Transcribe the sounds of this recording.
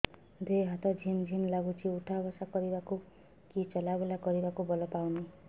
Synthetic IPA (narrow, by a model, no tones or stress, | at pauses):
d̪eɦat̪ɔd͡ʒʱimd͡ʒʱimlaɡut͡ʃʰiuʈʰabɔsakɔɾibaku | kit͡ʃɔlabelakɔɾibakubɔlɔpawni